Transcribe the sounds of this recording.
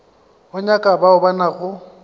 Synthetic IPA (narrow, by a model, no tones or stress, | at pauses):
ʊɲakʼabaʊbanaɣʊ